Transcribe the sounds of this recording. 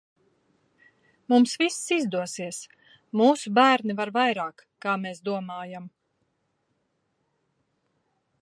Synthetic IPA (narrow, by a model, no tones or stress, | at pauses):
mumsvisːizd̪uɔsiɛs | muːsubæːɾnivaɾvajɾaːkːaːmeːsd̪uɔmaːjam